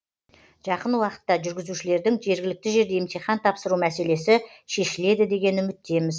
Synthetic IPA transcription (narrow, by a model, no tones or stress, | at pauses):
ʒ̥ɑqənwɑqə̥t̪ːɑʒʏɾɡʲɪzuʃɪle̞ɾd̪ɪŋʒe̞ɾɡʲɪlɪk̚t̪ɪʒe̞ɾd̪e̞ɪmt̪ʰeχɑnt̪ʰɑpsəɾumæse̞le̞sɪ | ʃe̞ʃɪle̞d̪ɪd̪e̞ɡʲe̞nʏmɪt̪ːe̞mɪz